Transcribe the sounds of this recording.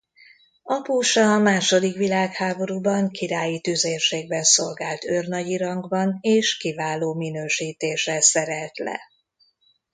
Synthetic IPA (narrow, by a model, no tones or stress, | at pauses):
ɒpuːʃɒːmaːʃo̞d̪ikʋilaːkhaːbo̞ɾubɒŋkiɾaːjit̪yzeːrʃeːɡ̚bɛnso̞lɡaːlt̪ørnɒɟiɾɒŋɡbɒneːʃkivaːloːminøːʃiːt̪eːʃrɛsɛɾɛlt̪lɛ̰